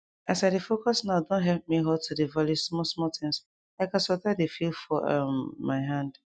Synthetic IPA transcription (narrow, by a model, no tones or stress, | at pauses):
asaɪdefokɔsnaʊdõntɦɛp̚miɦɔtʰudevalismɔsmɔtɪ̃ŋs | aɪkãsɔtadefildfɔa̰mːaɪɦãnd